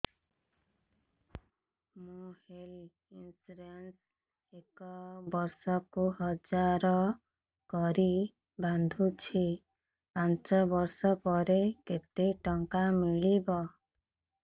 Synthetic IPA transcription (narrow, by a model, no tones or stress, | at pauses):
mũhel | insuɾens | ekɔbɔɾsɔkuɦɔd͡ʒaɾɔ | kɔɾi | band̪ʱut͡ʃʰi | pant͡ʃɔbɔɾsɔpɔɾeket̪eʈɔŋkamiɭibɔ